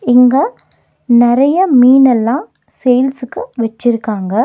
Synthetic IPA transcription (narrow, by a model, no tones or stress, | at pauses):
ɪŋɡɐ | nɪɾɐjɐmiːnɛlːãː | sejlsɯkːɯʋɛt͡ʃːɪɾɯkːaːŋɡɐ